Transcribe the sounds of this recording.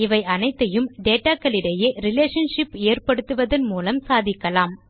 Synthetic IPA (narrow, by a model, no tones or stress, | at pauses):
ɪʋɐɪʔɐnɐɪt̪ːɐjɯmɖeːʈːaːkːɐlɪɽɐjeːɾɪleːʂɐnʂɪpeːrpɐɽɯt̪ːɯʋɐðɐnmuːlɐmsaːðɪkːɐlaːm